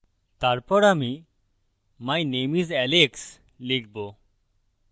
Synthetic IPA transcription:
t̪aɾpɔɾami | majnemizɛleks | lik̚ʰbo

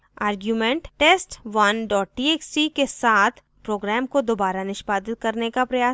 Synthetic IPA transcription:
aːɾɡjumɛ̃ɳʈʈeːsʈʋɐnɖɔːʈ̚ʈieːksikesaːt̪ʰ | pɾoːɡɾɛːmkod̪oːbaːɾanɪʃpaːd̪ɪt̪̚kɐɾnekapɾɐjaː

